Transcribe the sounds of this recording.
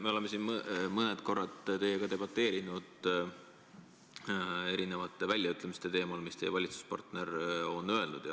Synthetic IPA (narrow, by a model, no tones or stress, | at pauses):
me̞o̞leme̞sinmmɤnet̪ko̞rːɑt̪ːt̪e̞jeɡ̥ɑt̪e̞b̥ɑt̪ːˑe̞ːɾinud̪̥ | e̞ɾine̞vɑt̪ːˑe̞vælʲjɑyt̪lemist̪e̞t̪e̞ːmɑlmist̪e̞jːvɑlʲit̪su̥spɑ̰rt̪ne̞ɾo̞nːø̞e̞lnud̪̥jɑ